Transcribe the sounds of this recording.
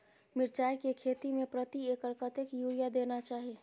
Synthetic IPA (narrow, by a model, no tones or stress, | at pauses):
mɪɾt͡ʃaːjkekʰeːt̪imẽpɾət̪ieːkəɾkət̪ekjuːɾijad̪eːnat͡ʃaːɦeː